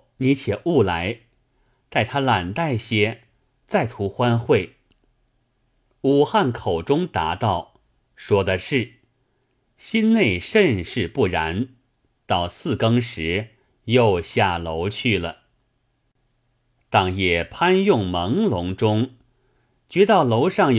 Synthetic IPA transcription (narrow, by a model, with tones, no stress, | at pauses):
ni˧˥t͡ɕʰjɛ˨˩ʔu˥˩la˧˥ɪ | t̪a˥˩ɪt̪ʰa˥la˨˩nt̪a˥˩ɪɕjɛ˥ | t͡sa˥˩ɪt̪ʰu˧˥xwa˥nxwe˥˩ɪ | u˨˩xa˥˩nkʰo˨˩ʊʈ͡ʂʊ˥ŋt̪a̰˧˥t̪ɑ˥˩ʊ | ʂwɔ˥d̪ə˧ʂɻ̩˥˩ | ɕi˥nne˥˧ɪʂə˥˧nʂɻ̩˥˧pu˥˩ɻa˧˥n | t̪ɑ˥˩ʊsɹ̩˥˩kɤ˥ŋʂɻ̩˧˥ | jo˥˧ʊɕja˥˩lo˧˥ʊt͡ɕʰy˥˩lə˩ | t̪ɑ˧˥˩ŋjɛ˨˩pʰa˥njʊ˥˩ŋmə˧˥ŋlʊ˧˥ŋʈ͡ʂʊ˥ŋ | t͡ɕɥɛ˧˥t̪ɑ˥˩ʊlo˧˥ʊʂɑ˥˩ŋj